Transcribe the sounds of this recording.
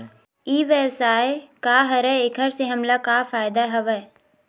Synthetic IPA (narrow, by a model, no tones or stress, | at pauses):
iːʋewsaːekaːɦɐɾɛekʰəɾseɦɐmlakaːfaːɪd̪aɦɐʋɛ